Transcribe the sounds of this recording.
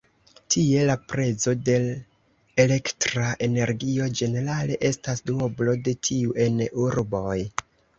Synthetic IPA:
tʰie̞lapɾe̞zo̞de̞l | e̞le̞ktɾaʔe̞ne̞ɾɡio̞d͡ʒe̞ne̞ɾale̞ʔe̞stasduoblo̞de̞tʰiuʔe̞nuɾbo̞j

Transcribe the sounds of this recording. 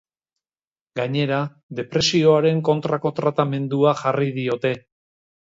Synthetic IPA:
ɡaɲe̞ɾa | ðe̞pɾe̞sio̞aɾe̞ŋko̞nt̪ɾako̞t̪ɾat̪ame̞nd̪uaʝariðio̞t̪e̞

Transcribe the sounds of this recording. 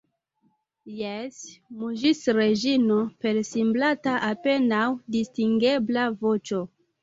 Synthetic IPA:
jesmuʒisɾe̞ʒinope̞lsimblataʔape̞nawdistiŋɡe̞blavo̞t͡ʃo̞

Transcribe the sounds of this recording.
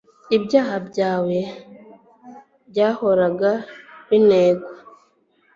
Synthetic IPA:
ibɟaːhabjaːwe̞ | bɟaːho̞ɾaɡaβineːɡwa

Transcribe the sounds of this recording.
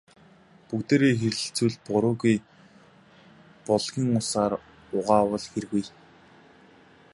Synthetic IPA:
pukt̪eːɾeːxeɾɘ̆ɬt͡sŭɮpʊɾʊːɣuj | pɔɮɣʲiːŋʊsaːr | ʊʁaːwə̆ɮxerɣuj

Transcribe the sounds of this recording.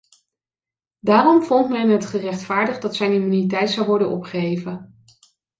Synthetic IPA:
daːrɔmvɔntmɛnɦətχərɛχtfaːɹdəχdɑtsɛjnimynitɛjtsɑwʋɔɹdənʔɔ̰pχəejvən

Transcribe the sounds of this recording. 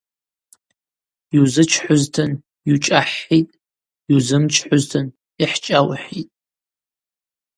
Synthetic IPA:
juzɨt͡ʃʰħʷʊztʰɨn | jut͡ʃʼaħːitʼ | uwzɨmt͡ʃʰħʷʊztʰɨn | iħt͡ʃʼawħitʼ

